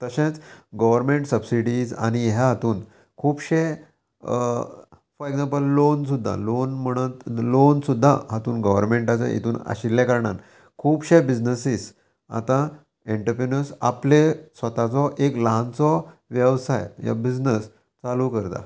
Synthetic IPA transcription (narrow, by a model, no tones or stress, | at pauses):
t̪əɕẽt͡sɡəʋəɾmeɳʈsəbsiɽid͡za̰ñiɦjaɦat̪uːn | kʰuːbɕe | fɔɾeɡd͡zãmpəlːons̬ud̪ʱːa̰lonm̤əɽ̃ət̪lonsud̪ʱːa̰ɦat̪uːnɡəʋəɾmeɳʈat͡sa̰ʔḭt̪ʰuːna̰ɕilːɛ̃kəɾɳan | kʰuːbɕebid͡znəsiːs | a̰t̪ã | eɳʈəɾpɾenəɾsa̰plesʋət̪at͡sɔʔekləɦãnt͡sɔʋjəʋsajja̰bid͡znəs | t͡salukəɾt̪a̰